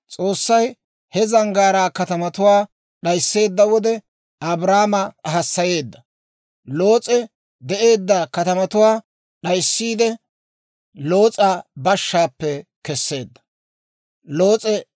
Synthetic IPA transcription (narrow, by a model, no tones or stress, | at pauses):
t͡sʼo̞ːsːɐj | hɛzɐŋɡaːɾaːkɐt̪ɐmɐt̪ʊwaː | ɗɐjsːe̞ːd̪ːɐwɔd̪ɛ | ɐbɾaːmɐɦɐsːɐje̞ːd̪ːɐ | lo̞ːt͡sʼɛ | d̪ɛʔe̞ːd̪ːakɐt̪ɐmɐt̪ʊwaː | ɗɐjsːiːd̪ɛ | lo̞ːt͡sʼabɐʃːaːpːɛkɛsːe̞ːd̪ːɐ̥ | lo̞ːt͡sʼɛ